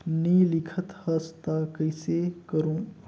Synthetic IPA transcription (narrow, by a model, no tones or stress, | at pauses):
nilikʰət̪həst̪akəjsekəɾũː